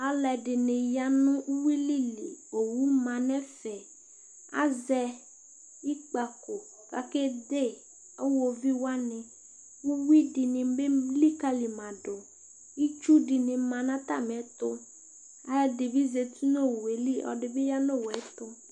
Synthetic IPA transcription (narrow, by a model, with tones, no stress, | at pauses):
a˨lɛ˨dɪ˨nɪ̃˨ja˦nʊ̃˦u˦wi˦li˦li˨o˨wu˦mã˨nɛ̃˦fɛ˨ | a̰˦zɛ˦ | i˦k͡pa˨ko˨ | ka̰˨ke˦d̪e˦˨ | e˦wo˦vi˦wa˦nɪ̃˨ | u˦wi˦di˨nɪ̃˨be˦li˦ka˦li˨mã˨ɖo˨ | i˦t͡ʃu˦di˨nɪ̃˨mã˨nã˦t̪a̰˦˨mɛ̃˨˦t̪ʊ˦ | a˨˦dɪ˨bi˦ze˨t̪u˦no˦˨we˨li˦ʔɔ̰˨ɖɪ˨be˦ja˦no˦˨wɛ˨˦t̪ʊ˦